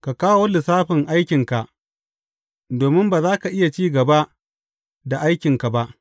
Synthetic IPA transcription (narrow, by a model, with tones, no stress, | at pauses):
ka˨kaː˦woː˦lɪ˨saː˦ɸɪ˨ŋʔa˦jkʲɪ˨ŋka˨ʔ | doː˨mɪ˦mbaː˨zaː˦ka˨ʔɪ˦ja˨t͡ʃiː˦ɡɐ˨ba˦ʔ | da˨ʔa˦jkʲɪ˨ŋka˨ba˦ʔ